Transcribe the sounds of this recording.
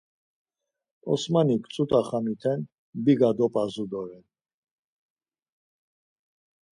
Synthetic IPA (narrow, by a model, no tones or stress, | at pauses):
ɔ̰smanikʰʼt͡sʼut̪ʼaχamit̪ʰɛn | biɡad̪ɔpʼazud̪ɔɾɛn